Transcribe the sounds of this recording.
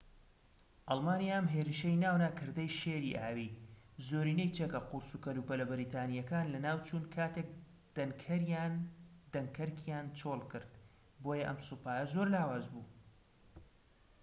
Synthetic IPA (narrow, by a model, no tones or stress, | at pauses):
ʔɑlˠmaːnijaɐmɦeːɾɨʃɐjnaːwnaːkʰɨɾd̪ɐjʃeːɾḭʔaːwiː | zoːɾiːnɐjt͡ʃeːkɐqʊɾsukɐluːpɐlɐbɪɾiːt̪ʰaːnijɐkaːnlɐnaːwt͡ʃuːnkʰaːt̪ʰek̚ | d̪̥ɐnkʰɐɾjand̪ɐŋkʰɐɾkʰjaːnt͡ʃʰoːlkɨɾd̪ | boːjɐʔɐ̰msupaːjɐzoɾlaːwaːzbuː